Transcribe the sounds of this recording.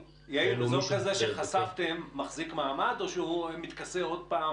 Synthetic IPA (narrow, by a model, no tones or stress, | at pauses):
jaizokazeʃeχasavt̪emːaχzikmaːmad̪o̞ʃehumit̪kaseod̪̚paː